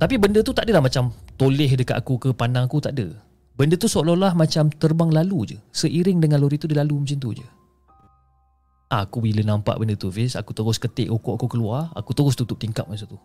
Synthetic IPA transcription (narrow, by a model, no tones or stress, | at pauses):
t̪apibəndət̪ut̪aʔdəlahmat͡ʃamt̪olɪɦdəkat̪akukəpanaŋakut̪aʔdə | bəndət̪usololahmat͡ʃamt̪ərbaŋlalud͡ʒə̰səʔiɾɪŋdəŋanloɾit̪ːudilalumət͡ʃint̪̬ud͡ʒə̰ | ʔaakubilənãmpa̰ʔbəndət̪uvɪsa̰kut̪əɣʊskət̪ɪ̰ʔokoʔakɔʔkəluara̰kut̪əɣʊst̪ut̪ʊp̚t̪iŋkap̚mas̬ət̪u